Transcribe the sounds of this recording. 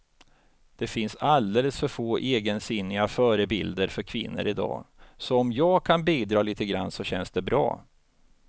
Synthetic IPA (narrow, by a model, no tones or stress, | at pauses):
d̪̥ɛfɪnsald̪eːləsfœɾfoːʔeːɡənsɪnːɪafœːɾəbɪld̪əɾfœɾkʰvɪnːə̰ɾɪd̪ɑ̰ːsɔɔmjɑːɡkʰanbiːd̪ɾɑːliːt̪əɡɾanːsɔɕɛnsd̪̥ɛbɾɑ̰ː